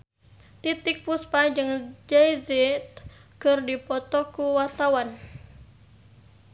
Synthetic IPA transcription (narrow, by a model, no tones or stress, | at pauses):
t̪it̪ik̚puspad͡ʒɨŋd͡ʒajzɛt̪kɨrdipɔt̪ɔkuwat̪awan